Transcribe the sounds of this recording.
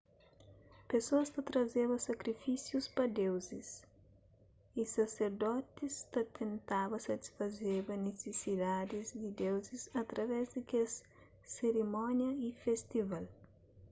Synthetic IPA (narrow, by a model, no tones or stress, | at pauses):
pesoɐst̪ɐt̪ɾɐzeβɐsɐkɾifisjuspɐd̪ewzis | isɐseɾd̪ɔt̪ist̪ɐt̪ʰẽnt̪abɐsɐt̪i̥sfɐzebɐnesesid̪ad̪ɪzd̪ɪd̪ewzisɐt̪ɾɐvɛzd̪ɪkes | seɾimɔnjɐifest̪ival